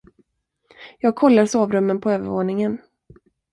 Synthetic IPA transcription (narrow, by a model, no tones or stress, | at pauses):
jɑːɡ̚kʰɔlːaɾʂoːvɾɵmːənpʰɔøːvəɾvoːɳɪŋən